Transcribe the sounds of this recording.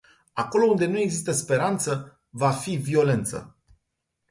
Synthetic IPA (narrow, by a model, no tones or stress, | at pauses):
ako̞lo̞und̪e̞nue̞ɡzist̪əspe̞ɾant̪sə | vafivio̞le̞nt̪sə̰